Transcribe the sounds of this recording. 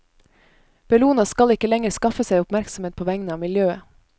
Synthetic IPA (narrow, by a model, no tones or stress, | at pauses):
b̥ɛluːnɑskɑlɪkəlɛŋəɾskɑfəsæɪʊpmæɾksm̩eːt̪̚pʰoːʋæŋnəɑːmɪljøːə